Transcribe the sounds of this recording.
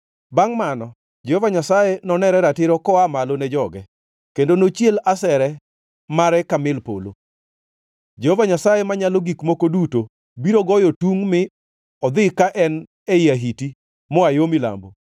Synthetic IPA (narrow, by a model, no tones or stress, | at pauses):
baŋmanɔ | d͡ʒehovaɲasajenɔnɛɾɛɾatɪɾɔkɔamalonɛd͡ʒɔɡɛ | kendonot͡ʃjelasɛɾɛ | maɾɛkamɪlpo̰lo̰ | d͡ʒehovaɲasajemaɲaloɡikmokoduto | biɾoɡɔjotuŋmɪ | ɔd̪ɪkaʔɛn | ɛiaɦiti | mɔajomɪla̰mbo